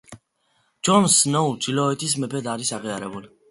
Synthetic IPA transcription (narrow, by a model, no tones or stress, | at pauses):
d͡ʒɔnsnɔud͡ʒilɔɛt̪ʰis̬mɛpʰɛd̪aɾisaʁiaɾɛbuli